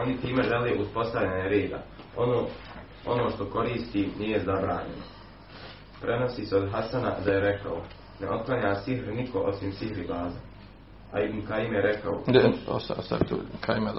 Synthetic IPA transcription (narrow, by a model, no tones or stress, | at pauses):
o̞nit̪iːme̞ʒeleʔuspo̞st̪aʋʎaɲaɾeːd̪a̰ | o | onoːʃt̪o̞ko̞ɾiːst̪iːniːjezabɾaːɲe̞̰no̰ | pɾe̞no̞siːseo̞d̪ɦasana̰d̪aje̞ɾe̞ka̰o̰ | neʔo̞t̪̚klˠaɲaːsihɾnikʰo̞ʔo̞simsiɦɾibaːza | a̰imkaimjeɾekao̰d̪eo̰st̪aost̪aʋit̪ṵːkʰaime